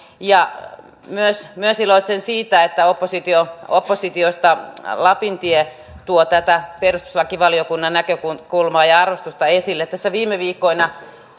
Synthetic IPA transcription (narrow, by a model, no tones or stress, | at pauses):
jɑ | myøsmyøsiloit̪sensiːt̪æet̪ːæopːosit̪ioopːosit̪iost̪ɑlɑpint̪ie | t̪uot̪æt̪æperust̪u̥slɑkiʋɑliokunːɑnnækøkukulmɑːjɑɑrʋost̪ust̪ɑesilːet̪t̪ːæsːæʋiːmeʋiːkːoinɑ